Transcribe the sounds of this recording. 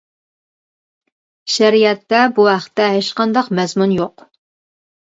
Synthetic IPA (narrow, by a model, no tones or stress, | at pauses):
ʃæɾijɛt̪ːɛbuɦæχt̪ːɛɦet͡ʃqʰɑnd̪ɑqmɛzmunjoq